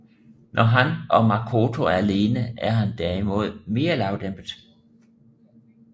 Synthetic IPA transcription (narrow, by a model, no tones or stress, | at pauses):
nʔɒɦænʔɒ̽mɑ̈kʰo̝t͡sʰo̝æɐle̝ːnəæɐɦænd̥æɐ̰imo̝ð̞ˠme̝ːɐlɑ̈ʊd̥emb̥əðˠ